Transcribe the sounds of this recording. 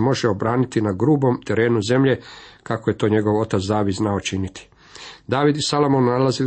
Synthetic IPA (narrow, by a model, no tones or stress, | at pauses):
mo̞ʒeo̞bɾaːnit̪inaɡɾuːbo̞mt̪e̞ɾe̞ːnuze̞mʎe̞kakoje̞t̪o̞ːɲe̞ɡo̞ʋo̞t̪at̪sd̪aːʋid̪znaot͡ʃinit̪i̥ | d̪aːʋid̪isalomonːalazi